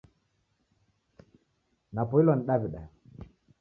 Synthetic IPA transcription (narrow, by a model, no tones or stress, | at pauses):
napɔilwaniɗaviɗa